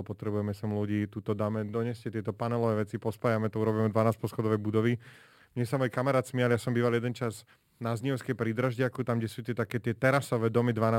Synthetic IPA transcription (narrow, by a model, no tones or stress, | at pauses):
pɔt̪ɾɛbujɛmɛsɛmluɟiːt̪uːt̪ɔd̪amɛd̪ɔɲɛscɛt̪ɪɛt̪ɔpanɛlɔʋɛːʋɛt͡sipɔspaːjamɛt̪ɔuɾɔbiːmɛd̪ʋanaːspɔsxɔd̪ɔʋɛjbud̪ɔʋi | mɲɛsamɔːjkamɛɾaːt̪smialjasɔmbiːʋaljɛd̪ɛnt͡ʃaz | nazɲiɛʊskɛjpɾid̪ɾaʒɟɪakut̪amɡɟɛsuːt̪ɪɛt̪akɛːt̪ɪɛt̪ɛɾasɔʋɛːd̪ɔmid̪ʋana